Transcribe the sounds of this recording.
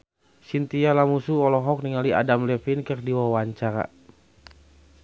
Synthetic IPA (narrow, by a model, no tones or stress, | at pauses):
sint̪ialamusuɔlɔɦɔk̚niŋalia̰damlɛfinkɨrdiwawaɲt͡ʃaɾa̰